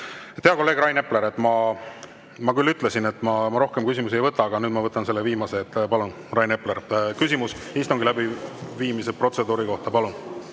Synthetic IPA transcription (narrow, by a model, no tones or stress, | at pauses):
t̪eɑko̞lːeːɡrɑjne̞pːle̞ɾe̞t̪ːˑmɑ | mɑkylːyt̪ˑle̞sinet̪ːˑmɑmɑɾo̞hke̞mkysʲimus̬iejvɤt̪ːˑɑːɡ̥ɑnyːd̪̥mɑvɤt̪ːˑɑnse̞lːe̞viːmɑse̞ːt̪ːˑpɑlun | rɑjne̞pleɾkysimusist̪uŋɡilæbiviːmisepro̞t̪se̞d̪uːɾiko̞ht̪ɑpɑlun